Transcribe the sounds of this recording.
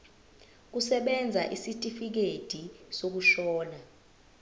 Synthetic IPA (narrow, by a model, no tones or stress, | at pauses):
k̬usɛɓɛnd͡zʱaʔisitʼifik̬ed̥ʱisok̬uʃɔːna